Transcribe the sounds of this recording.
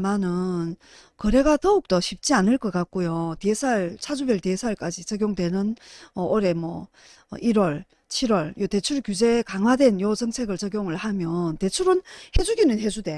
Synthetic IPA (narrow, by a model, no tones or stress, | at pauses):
manɯn | kʌɾe̞ɡatʌuk̚t͈ʌɕʰip̚t͡ɕ͈ianɯɭk͈ʌk͈ak̚k͈ojotiesʰaɭt͡ɕʰad͡ʑubjʌɭtiesʰaɭk͈ad͡ʑit͡ɕʌɡjoŋdwe̞nɯnʌʔoɾe̞mwʌ̰ | iɾwʌɭ | t͡ɕʰiɾwʌɭjote̞t͡ɕʰuɭkjud͡ʑe̞kaŋwadwe̞njot͡ɕʌŋt͡ɕʰe̞ɡɯɭt͡ɕʌɡjoŋɯɭhamjʌnte̞t͡ɕʰuɾɯnhe̞d͡ʑuɡinɯnɦe̞d͡ʑude̞